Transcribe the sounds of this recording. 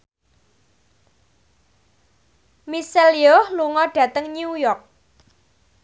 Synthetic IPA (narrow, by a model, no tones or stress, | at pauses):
miseliohluŋɔɖ̥ä̤t̪əŋɲujɔrk̚